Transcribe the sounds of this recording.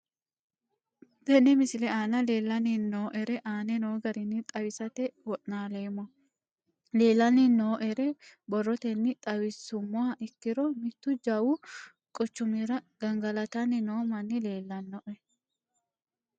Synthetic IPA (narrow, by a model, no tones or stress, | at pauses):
b̪ɛnːɛmɪsɪlɛaːnɐle̞ːlːɐnɪnːoːʔɛɾɛʔaːnɛno̞ːɡɐɾɪnːɪt̪ʼɐwɪsɐt̪ɛwɔʔnaːleːmːɔ | le̞ːlːɐnɪnːoːʔɛɾɛbɔrːɔt̪ɛnːɪt̪ʼɐwɪsʊmːʊaʔɪkːɪɾɔmɪtk̪ːʊd͡ʒɐwu | kʼɔt͡ʃːʊmiɾɐɡ̥ɐŋɡɐlɐt̪ɐnːɪno̞ːmɐnːɪleːlːɐnːɔʔɛ